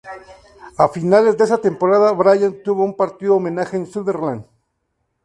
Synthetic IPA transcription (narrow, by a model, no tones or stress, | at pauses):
afinale̞zd̪eesat̪empo̞ɾaðaβɾaʝant̪uβo̞umpaɾt̪iðoːmẽnaxeːnsuðeɾland̪